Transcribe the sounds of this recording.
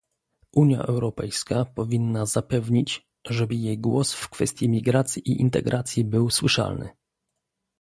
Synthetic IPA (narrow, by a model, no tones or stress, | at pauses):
ʔuɲja̰ʔɛwɾɔpɛjskapɔvʲinːazapɛvɲit͡ɕ | ʐɛbɘjejɡwɔsfkfɛst̪ʲjimʲiɡɾat̪sʲjiʔiʔint̪ɛ̰ɡɾʔat̪sʲjibɘwswɘʂa̰lnɘ̰